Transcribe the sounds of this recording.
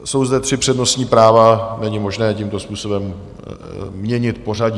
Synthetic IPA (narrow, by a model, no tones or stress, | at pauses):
so̞wzdɛt̪r̝̥ɪpr̝̥ɛdno̞st̪ɲiːpɾaːvanɛɲɪmo̞ʒnɛːcimt̪o̞spuːso̞bɛmː | ɲɛɲɪt̪po̞raɟi